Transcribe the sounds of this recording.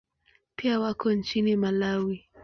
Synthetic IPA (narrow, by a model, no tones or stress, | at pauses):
piawakɔnt͡ʃinimalawi